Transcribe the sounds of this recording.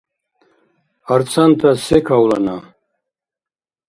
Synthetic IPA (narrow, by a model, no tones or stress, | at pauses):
aɾt͡sʰant̪ʰasekʰawla̰na